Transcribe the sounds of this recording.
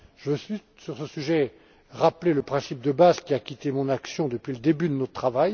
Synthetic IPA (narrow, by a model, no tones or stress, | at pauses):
ʒ̥əvøsit̪syʁsəsyʒɛ | ʁapleləpχɛ̃sip̚d̪əbazkʲiakʲit̪emɔ̃naksjɔ̃d̪əpɥiləd̪ebyd̪ənɔtt̪χavaj